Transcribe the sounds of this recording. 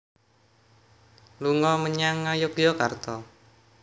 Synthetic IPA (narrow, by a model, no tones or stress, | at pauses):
luŋɔməɲaŋːajʊkjɔkart̪ɔ